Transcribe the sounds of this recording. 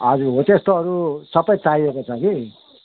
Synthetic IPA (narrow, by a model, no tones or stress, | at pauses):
ʌd͡zuɦot̪est̪oɦʌɾusʌpʌjt͡saiekot͡sʰʌki